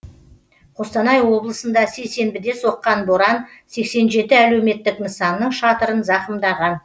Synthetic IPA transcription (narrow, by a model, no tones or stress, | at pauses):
qʰo̞st̪ɑnɑjwo̞blˠəsənd̪ɑse̞jse̞mbɪd̪e̞so̞qːɑnboɾɑnse̞kse̞nʒe̞t̪ɪælewme̞t̪ːɪknəsɑmnəɴʃɑt̪əɾənzɑqəmd̪ɑʁɑn